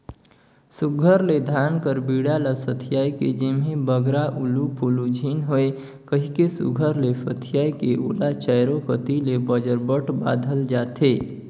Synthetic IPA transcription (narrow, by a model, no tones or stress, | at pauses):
sʊɡʱəɾled̪ʱaːnkəɾbiːɽaləsət̪ʰɪjaːiked͡ʒɪmɦẽbəɡɾaʔʊlupʰʊlud͡ʒʱiːnɦoe | kəɦikesʊ̰ɡʱəɾlefət̪ʰɪjaːikeʔʊ̰lat͡ʃəɪɾokət̪ilebəd͡ʒəɾbəʈba̰ːd̪ʱəld͡ʒaːt̪ʰeː